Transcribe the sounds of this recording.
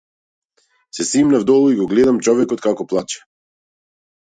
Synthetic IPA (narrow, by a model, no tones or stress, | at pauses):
sɛsimnavd̪ɔlˠuiɡɔɡlɛd̪amt͡ʃɔvɛkɔt̪̚kakɔplˠat͡ʃɛ̥